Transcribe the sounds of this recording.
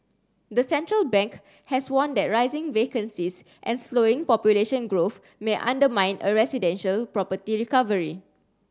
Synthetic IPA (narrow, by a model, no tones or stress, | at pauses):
d̪əsɛ̃ntɹəlbɛ̃ŋk | hɛswɔ̃ndɛt̚ɹaɪzɪ̃ŋvekə̃nsis | ʔɛ̰̃nsloɪ̃ŋpɔpjuleʃə̃nɡɹof | meʔã̰ndəmãj̃nəɹɛsidɛ̃nʃəlpɹɔpətiɹikavəɹi